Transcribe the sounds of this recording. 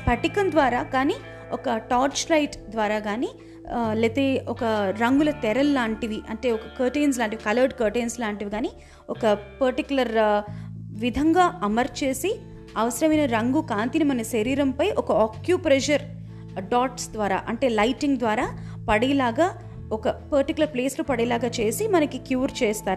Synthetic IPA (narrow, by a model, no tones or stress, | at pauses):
pɐʈikɐnd̪ʋaːɾaːkaːni | ɔkɐʈaːɾt͡ʃlɐjʈd̪ʋaːɾaːɡaːni | let̪eːɔkɐɾɐŋɡulɐt̪ɛɾɐlːaːɳʈiʋiʔɐɳʈe̞ːɔkɐkɐːʈejns̬laːɳʈ̬iʋikɐlɐɾɖkɐːɾʈejnslaːɳʈiʋiɡaːni | ɔkɐpɐɾʈikjulɐɾ | ʋid̪ʱɐŋɡaːɐmɐɾt͡ʃeːsi | ɐʋɐsɐɾɐmɐjnɐɾɐŋɡukaːnt̪inimɐnɐʃɐɾiːɾɐmpɐjʔɔkɐoːkjuːpɾɛd͡ʒɐɾ | ɖaːʈsd̪ʋaːɾa̰ːʔɐɳʈe̞ːlɐjʈiŋɡd̪ʋaːɾaː | pɐɽilaːɡaː | ɔkɐpɐɾʈikjulɐɾpleːslupɐɽelaːɡaːt͡ʃe̞ːsimɐnɐkikjuːɾt͡ʃɛːst̪aːɾu